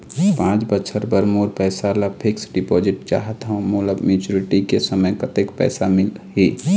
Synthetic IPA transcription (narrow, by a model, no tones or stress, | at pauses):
pãːt͡ʃbətːʃʰəɾbəɾmoːɾpɛːsalapʰɪksɖɪpod͡ʒɪʈt͡ʃa̰ːɦət̪ɦə̃muləbmit͡ʃuɾɪʈikesəməjkət̪ekpɛ̰ːsamɪlɦi